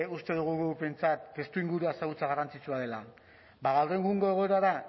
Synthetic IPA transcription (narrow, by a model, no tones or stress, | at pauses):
ust̪e̞ðuɣ̞uɣupe̞nt͡sat̪ːe̞st̪uiŋɡuɾuasaɣut͡saɣarant͡sit͡suað̞e̞la | baɣawre̞ŋɡuŋɡo̞e̞ɣ̞o̞e̞ɾaða